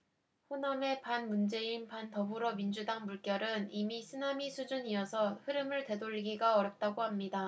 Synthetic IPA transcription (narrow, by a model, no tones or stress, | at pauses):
ɸoname̞panmund͡ʑe̞inpantʌbuɾʌmind͡ʑudaŋmuɭk͈jʌɾɯnimisʰɯnamisʰud͡ʑuɲiʌsʰʌhɯɾɯmɯɭte̞doʎːiɡiɡaʌɾjʌp̚t͈aɡohamɲida